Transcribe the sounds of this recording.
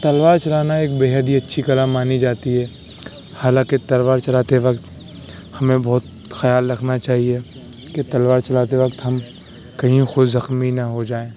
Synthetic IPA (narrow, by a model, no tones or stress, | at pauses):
t̪ɐlʋaːɾt͡ʃɐlaːnaeːk̚beːɦəd̪ʱɦiɐtːʃʰikɐlaːmːaːnid͡ʒaːt̪iɦɛː | haːlãːket̪ɐlʋaːɾt͡ʃɐlaːt̪eʋɐkt̪ | hɐmẽbɔɦt̪̚ | xɐjaːlɾɐkʰnat͡ʃaːɦie | ket̪ɐlʋaːɾt͡ʃɐlaːt̪eʋɐkt̪ɦɐm | kɐɦĩxʊzɐxminɐɦod͡ʒaːẽː